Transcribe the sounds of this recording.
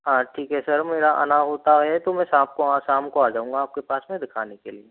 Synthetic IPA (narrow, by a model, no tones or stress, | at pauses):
ɦãːʈʰiːkɦɛsɐɾmeːɾaʔə̰naɦoːt̪aɦɛt̪omɛ̃sãːb̚koasaːmkoaːd͡ʒaːũŋɡaːp̚kepaːsmẽd̪ɪkʰaːnekelie